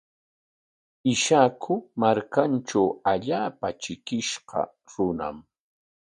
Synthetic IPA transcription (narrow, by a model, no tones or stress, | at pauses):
ɪʃakʰʊmaɾkanʈ͡ʂawaʎaːpat͡ʃɪkɪʃɢɑ̰ | ɾʊna̰m